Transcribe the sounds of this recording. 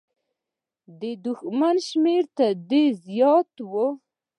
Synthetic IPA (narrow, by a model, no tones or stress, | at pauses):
d̪əd̪ʊxmanʃmeɾt̪ad̪ezjɑt̪wo